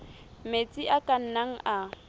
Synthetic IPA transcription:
met͡sʼiʔakʼan̩naŋ̩ʔa

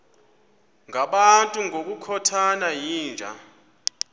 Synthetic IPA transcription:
ŋʱaɓantʼuŋʱok̬ʼukʰɔtʰanajiːnd͡ʒʱa̰

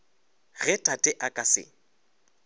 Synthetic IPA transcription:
ɣɛtʼatʼɛʔakʼasɪ̰

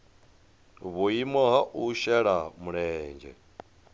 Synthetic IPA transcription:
βuimɔɦaʔuʃɛɺamuɺɛːnd͡ʒɛ̰

